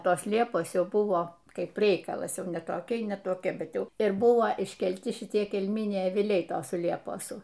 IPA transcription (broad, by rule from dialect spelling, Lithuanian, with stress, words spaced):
ˈtoːs ˈlʲiɛpoːs ˈjɛʊ ˈbʊʋoː ˈkɐɪp ˈrʲɛɪkɐlˠɐs ˈjɛʊ nʲɛ toːˈkʲɛɪ nʲɛ toːˈkʲɛ bʲɛt ˈjɛʊ ɪr ˈbʊʋɐ ɪʃʲkʲɛlʲˈtʲɪ ʃʲɪˈtʲiɛ kʲɛlʲˈmʲɪnʲɛɪ ɐʋʲɪˈlʲɛɪ ˈtoːsʊ ˈlʲiɛpoːsʊ